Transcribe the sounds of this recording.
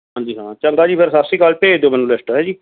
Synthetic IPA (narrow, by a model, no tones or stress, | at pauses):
ɦãːɲd͡ʒiːɦãːt͡ʃəŋɡaːd͡ʒiːpʰeɾsasiːkaːlpeːd̪oːmɛnũːlesʈoɦɛːd͡ʒiː